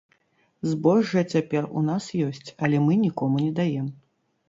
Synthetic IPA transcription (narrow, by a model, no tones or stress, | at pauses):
zbɔʐːɐt͡sʲapʲɛrṵnasjɔsʲt͡sʲɐlʲɛmɨnʲikɔmunʲɛd̪ajɛm